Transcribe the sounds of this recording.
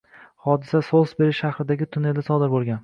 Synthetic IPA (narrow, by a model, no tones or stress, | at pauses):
hɒd̪ɪsasolˠsbeɾɪʃʃaχɾɪd̪aɡʲɪt̪ʰʊneld̪asɒd̪ɪɾbolˠɡʲan